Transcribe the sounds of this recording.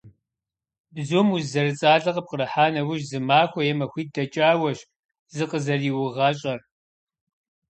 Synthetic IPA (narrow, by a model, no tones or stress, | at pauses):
bzumuzɐrɨt͡sʼaːɮʼɐqʼəp̚qəɾɐħaːnɐwʊʒzɨmaːxʷɔjɛmɐxʷiːt̚dɐt͡ʃʼaːwɐɕ | zɨqəzɐriːwʊʁɐɕʼɐr